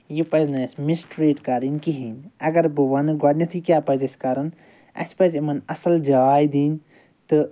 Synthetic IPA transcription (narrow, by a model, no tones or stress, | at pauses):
jipɐznɐsmisʈɾiːʈkɐɾinkiɦinɐɡɐɾbuwanɨɡɔɖnʲɐt̪ʰikʲjaːpɐzɐsʲkaːɾɐn | ɐ̰spɐzimɐnɐsɐld͡ʒɐaːjd̪iːn | t̪ɨ